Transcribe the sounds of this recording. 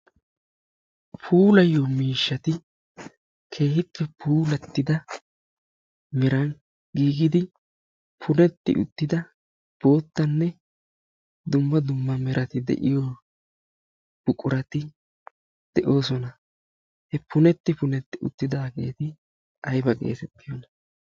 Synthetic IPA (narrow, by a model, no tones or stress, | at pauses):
pʰuːlɐjːomiːʃːɐt̪ɪ | kʰe̞ːhɪpːɛpʰuːlɛt̪ːɪd̪ɐ | mɛɾɐn | ɡiːɡɪd̪ɪ | pʰʊnɛt̪ːɪ̰ʔʊ̰t̪ːɪd̪ɐ | b̥o̞ːt̪ːɐnːɛ | d̪ʊmːɐd̪ʊmːɐmɛɾʔɐt̪ɪd̪ɛ̰ʔɪjoː | b̥ʊkʼːʊɾɐt̪ɪ | d̪̥ɛʔo̞ːsɔnɐ | hɛpʰʊnɛt̪ːɪpʊnɛt̪ːɪʊ̰t̪ːɪd̪aːɡe̞ːt̪ɪ | ɐjbɐɡe̞̰ːt̪ɛt̪ːɪjɔnɐ